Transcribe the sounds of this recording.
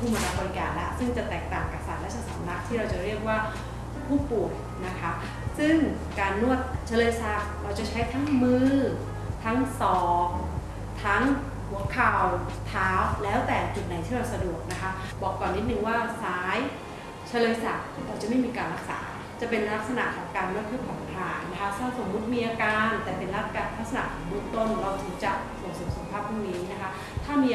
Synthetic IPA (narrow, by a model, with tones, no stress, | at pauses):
t̪ʰu˧˩ma˧ɾaː˧˩kɔː˧nkaː˧˩nla̰˦˥ʔsɯ˥˩ŋt͡ɕa˨˩t̪ɛː˨˩k̚t̪aː˨˩ŋka˨˩p̚sa˨˩t̪̚lɛ˦˥sa˧˩sa˩˦mla˦˥k̚t̪ʰiː˥˩ɾa˧wt͡ɕa˨˩ɾi˥˩ək̚waː˥˩ | pʰuː˥˩pu˨˩əj | na˦˥kʰa˦˥ | sɯ˥˩ŋ | kaː˧nːu˥˩ət̪̚t͡ɕʰa˦˥lɤː˧jsa˦˥k̚ɾa˧wt͡ɕa˨˩t͡ɕʰa˦˥jt̪ʰa˦˥ŋmɯː˥˩ | t̪ʰa˦˥ŋsɔː˧˦˥k̚ | t̪ʰa˦˥ŋ | hu˩˦əkʰaː˧˩wt̪ʰaː˦˥wlɛː˦˥wt̪ɛː˨˩t͡ɕu˨˩t̪̚na˨˦jt̪ʰiː˥˩ɾa˧wsa˧du˨˩ək̚na˦˥kʰa˦˥bɔː˨˩kːɔː˨˩nːi˦˥t̪̚nɯ˧ŋwaː˥˩saː˦˥j | t͡ɕʰa˧lɤː˧jsa˨˩t̚ɾaː˨˧˩t͡ɕa˨˩ʔma˥˩jmiː˧kaː˧nɾa˦˥k̚sa̰ː˩˦ | t͡ɕa˨˩pe˧nla˦˥k̚sa˧na̰˨˩ʔkʰɔː˩˦ŋkaː˧nɯ˥˩t̪̚pʰɯː˥˩pʰɔ˨˩nk̪ʰaː˨˧˩nna˦˥kʰa˦˥sa˦˥˧so˨˩˦mːu˦˥t̪̚miː˧ʔaː˧kaː˧nt̪ɛː˨˩pe˧nla˦˥a˧la˦˥k̚sa˧na̰˨˩kʰɔː˩˦ŋɾɯ˦˥˩ŋt̪o˥˩nɾa˧wt̪ʰɯ˩˦ŋt͡ɕa˨˩ʔsu˨˩t̪̚sɯ˩˦sa˨˩˦pʰaː˥˩p̚ʰːuː˥˩ŋniː˦˥na˦˥kʰa˦˥ʔ | t̪ʰaː˥˩miː˧